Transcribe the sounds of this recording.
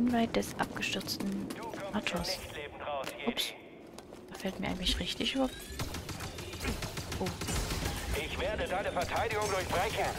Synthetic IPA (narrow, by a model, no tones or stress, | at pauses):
nvaɪt̚d̥ɛsʔa̰p̚ɡ̥əʃtʏɐt͡stn̩ʔatʰoɐs | ʊps | afɛltmiːɐʔa̰ɪŋlɪçʁɪçtɪçof | oː | ʔɪçv̥eːɐdədaɪnəfɛɐtʰaɪdɪɡʊŋdʊɐçb̥ʁaɪçən